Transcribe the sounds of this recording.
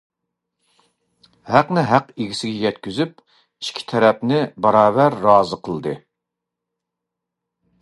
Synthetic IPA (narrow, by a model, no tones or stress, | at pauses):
hæqnɪɦæqeɡʲisɪɡʲɛjɛt̪̚kʲyzyp̚ | iʃkʲʰi̥t̪ʰɛɾɛpnɪbɑɾɑːvæɾːɑːzɨqʰəlˠd̪ɨ